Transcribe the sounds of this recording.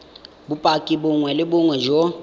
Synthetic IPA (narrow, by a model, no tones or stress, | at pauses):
bʊpʼakʼibʊŋwɛlɪbʊŋwɛd͡ʒo